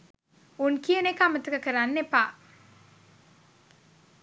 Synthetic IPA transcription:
unkijənekːamət̪əkɐkəɾanːepa̰ː

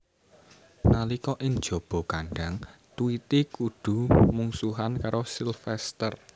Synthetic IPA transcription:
nalikɔʔɪŋd̥ʒ̥o̤b̥ɔ̤kaɳɖaŋt̪uit̪ikuɖ̪̥ṳmuŋsuɦankaɾosilfɛst̪ər

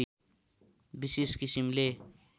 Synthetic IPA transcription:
biseskisimle

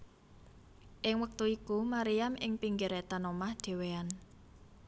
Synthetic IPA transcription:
ʔɪŋwək̚t̪uikumaɾijamʔɪŋpiŋɡɪɾet̪anomahɖ̪̥e̤wean

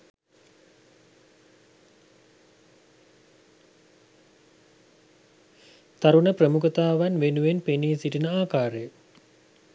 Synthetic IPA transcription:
t̪aɾunəprəmukət̪aːʋanʋenuʋenpeniːsiʈinəaːkaːɾəjə

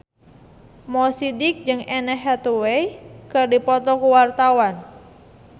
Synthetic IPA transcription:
mɔsidik̚d͡ʒɨŋɛnɛɦat̪uwekɨrdipɔt̪ɔkuwart̪awan

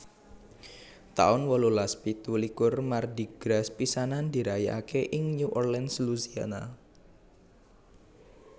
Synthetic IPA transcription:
t̪a̰ʊnwɔlolaspit̪ulikʊrmardiɡ̥ɾaspisanand̪iɾaia̰keʔɪŋɲuʔɔrlɛnsluzia̰na

